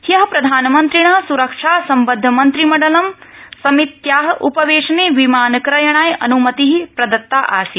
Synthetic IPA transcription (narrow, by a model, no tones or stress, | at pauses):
hijɐɦɐpɾɐd̪ʱaːnɐmɐnt̪ɾiɳaːsuɾɐkʂaːsɐmbɐd̪ʱːɐmɐnt̪ɾimɐɖɐlɐmsɐmit̪jaːɦɐʔupɐʋeːʃɐneːʋimaːnɐkɾɐjɐɳ̃aːjʔɐ̰numɐt̪iɦipɾɐd̪ɐt̪ːaːʔa̰ːsi